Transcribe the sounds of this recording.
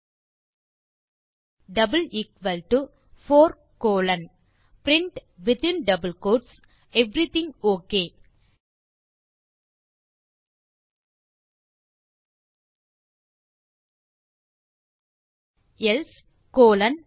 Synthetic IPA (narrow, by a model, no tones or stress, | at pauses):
ɖɐbəliːkʋɐlʈu | foːɾ | koːlɐ̃n | pɾɪ̃ɳʈ | ʋɪt̪ɪ̃nɖɐbəlkoːɖs | ɛʋɾit̪ĩŋɡoːkeː | els | koːlɐ̃n